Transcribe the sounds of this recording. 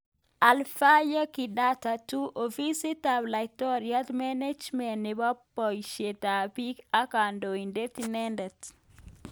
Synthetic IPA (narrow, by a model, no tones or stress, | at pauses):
ʔalfajakidatatuʔofisitablatoɾiatmened͡ʒmɛnːibapːɔjʃetapikakandoindetinɛndet